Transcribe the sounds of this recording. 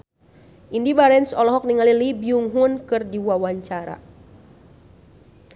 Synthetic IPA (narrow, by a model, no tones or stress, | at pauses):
ʔindibaɾɛnsɔlɔɦɔk̚niŋalilibiuŋɦunkɨrdiwawaɲt͡ʃaɾa̰